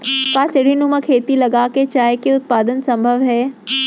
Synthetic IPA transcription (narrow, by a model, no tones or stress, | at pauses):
kaːsɪɽ̤inumɐ̃kʰeːt̪ilɐɡaːket͡ʃaːjkeʊt̪̚paːd̪ənsɐ̃mbʱəʋɦɛː